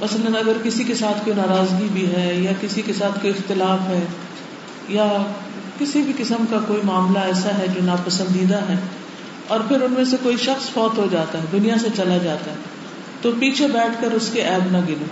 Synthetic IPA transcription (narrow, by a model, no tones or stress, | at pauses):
mɐsələnɐɡəɾkɪsikesaːt̪ʰkoːinaːɾaːzɡibʱiɦɛːjakɪsikesaːt̪ʰkoːiɪxt̪ɪlaːfɦɛː | ja | kɪsibʱikɪsəmkakoːimaːmlaɛːsaɦɛd͡ʒoːnaːpɐsə̃nd̪iːd̪aɦɛː | ɔːɾpʰɪɾʊnmẽs̬ekoːiʃɐxsfɔːt̪ɦod͡ʒaːt̪aɦɛd̪ʊnijas̬et͡ʃɐlad͡ʒaːt̪aɦɛ | t̪opiːt͡ʃʰebɛːʈʰkəɾʊskeʔɛːbnaɡɪloː